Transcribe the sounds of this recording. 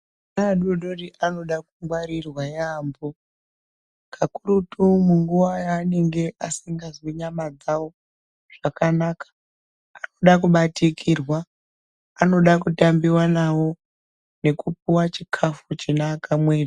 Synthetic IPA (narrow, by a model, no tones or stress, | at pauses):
naːɗoɗoriʔano̞ɗakuŋɡwaɾirwajeambo | kʰakuɾutumuŋɡuʋajaːne̞ŋɡe̞ʔasiŋɡazwiɲamad͡zawo̞ | ʐʐ̥akanakḁː | no̞ɗakuɓatikʰirwaː | no̞ɗak̬utambiwanawo̞ | ne̞kupuwat͡ʃikʰafut͡ʃinaːkamwea